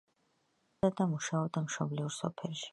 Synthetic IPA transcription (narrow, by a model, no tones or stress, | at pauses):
ad̪amuʃaɔb̚d̪amʃɔbliuɾsɔ̰pʰɛlˠʃi̥